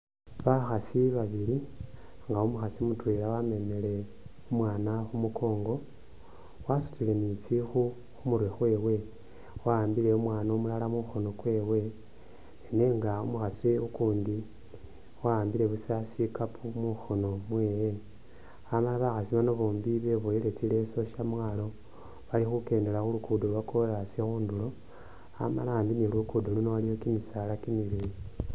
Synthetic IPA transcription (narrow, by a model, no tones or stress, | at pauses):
βaxasiβaβiɾi | ŋɡaumuxasimutwelawame̞me̞le̞ | umwaːnaxumuko̞ːŋɡo̞ | wasu̥t͡sile̞nit͡sixu | xumuɾwixwe̞ːwe̞ | waaːmbiɾe̞umwaːnamulalamuxo̞nokwe̞ːwe̞ | eneŋɡaumuxasiukuːndi | waaːmbile̞βusasikapʰumuxo̞no̞mweːje | amalaβaxasimanoβoːmbiβeβojile̞t͡sile̞so̞ʃamwalo̞ | βalixuke̞ːnde̞laxulukudoluβakolasexuːndulo̞ | a̰ma̰laaːndinilukudolunoalijo̞kimisalakimiliɾi